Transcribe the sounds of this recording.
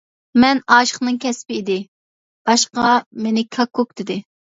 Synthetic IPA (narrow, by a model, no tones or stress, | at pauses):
mɛnɑːʃə̥χnɨŋkʲʰɛspɪid̪ɪ | b̥ɑʃqɑmenɪkʰɑkʰːok̚d̪̥ɪd̪ɪ